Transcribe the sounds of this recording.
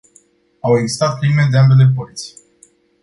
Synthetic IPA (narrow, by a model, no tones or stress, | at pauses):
aweɡzi̥st̪at̪̚pɾimed̪eambe̞le̞p̬olit̪sʲij